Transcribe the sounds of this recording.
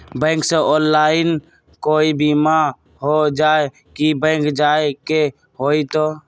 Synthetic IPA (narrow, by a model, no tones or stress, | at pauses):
bə̃ɪ̃ŋksẽʔonlain | koibima | ɦod͡ʒae | kibə̃ŋkd͡ʒaeke | ɦoit̪o